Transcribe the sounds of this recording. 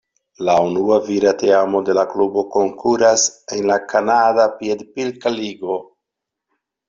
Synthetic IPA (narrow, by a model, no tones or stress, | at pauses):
launuaviɾateamo̞de̞laklubo̞ko̞ŋkʰuɾasenlakanadapiedpilkaliɡo̞